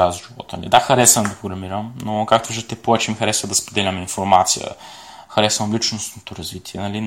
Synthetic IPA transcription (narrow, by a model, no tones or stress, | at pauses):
azʒivɔ̰t̪lʲḭd̪axɐɾɛsvɐnd̪ɐpɾoɡɾɐmiɾəmnokakt̪oviʒd̪ət̪ɛpovɛt͡ʃɛmixɐɾɛsvɐd̪ɐspod̪ɛlʲɐmɛinfoɾmat̪sijə̰ | xɐɾɛsvɐmlit͡ʃnosnot̪oɾɐzvit̪iɛnɐli